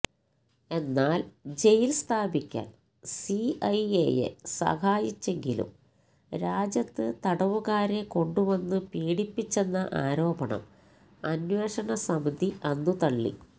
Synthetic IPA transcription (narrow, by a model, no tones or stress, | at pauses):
e̞nːaːld͡ʑe̞jilst̪ʰaːbikʲːa̰ːn | siɐjḛːjḛsɐ̰haːjit͡ɕːe̞ŋɡilṵm | ɾaːd͡ʑjɐt̪ːɨt̪ɐɽɐʋuɣaːɾe̞ko̞ɳɖuʋɐnːɨpiːɽipːit͡ɕːe̞nːɐʔa̰ːɾo̞ːbɐɳɐ̰m | ɐnweːʂɐɳɐsɐmid̪ʱiʔɐnːut̪ɐɭːḭ